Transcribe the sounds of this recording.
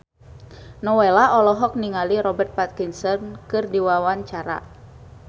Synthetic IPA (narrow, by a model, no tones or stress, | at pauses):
nɔwelaɔlɔɦɔk̚niŋaliɾɔbɛrt̪̚pat̪̚kinsɔnkɨrdiwawaɲt͡ʃaɾa̰